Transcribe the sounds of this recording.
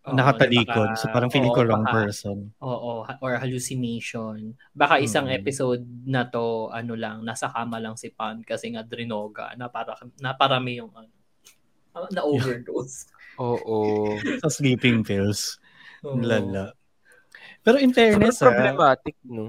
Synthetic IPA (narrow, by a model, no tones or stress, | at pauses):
nɐkɐt̪ɐliːkkod̪̚sɐaːɾɐŋfilɪkoɾoŋpɛɹsonʔoːʔohʔoɹhɐluːsɪnejʃon | baːkaʔɪsaŋʔɛpɪsowd̪̚nɐt̪o̞ʔɐnolɐŋnaːsɐkaːmɐlɐŋsɪpan̚kɐsɛŋad̪ɾɪnoːɡɐ̰nɐpaɾɐɐnɐpɐɾamɪjʊŋɐno | ɐnɐʔowvɛɹɡ̪owsʔoːʔosɐsliːpɪŋfils | lalaʔ | pɛːɾoʔɪnt̪ɛɹnɛsɾoblɛmaːt̪ɪk̚no